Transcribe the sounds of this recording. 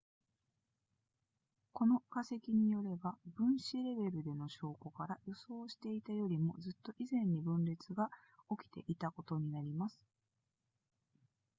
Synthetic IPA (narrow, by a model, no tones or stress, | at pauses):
ko̞no̞kase̞kʲiɲ̟ijo̞ɾe̞babɯ̟̃ɰ̃ɕiɾe̞be̞ɾɯ̟d̪e̞no̞ɕo̞ːko̞kaɾajo̞so̞ːɕi̥t̪e̞it̪ajo̞ɾʲimo̞d͡zɨt̪ːo̞ʔizẽ̞ɲ̟ːibɯ̟̃nɾe̞t͡sɨɡao̞kʲi̥t̪e̞̰ʔit̪ako̞t̪o̞ɲ̟inaɾʲimasɨ̥